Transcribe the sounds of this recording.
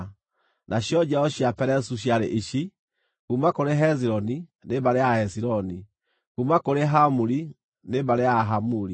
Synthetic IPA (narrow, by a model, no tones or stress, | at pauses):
naɕjɔd͡ʒaɔɕiapɛɾɛsuɕ̬iaɾeʔiɕi | kumakoɾeɦɛziɾɔninebaɾeaɛsiɾɔni | kumakoɾeɦamuɾi | nebaɾeaɦamuɾi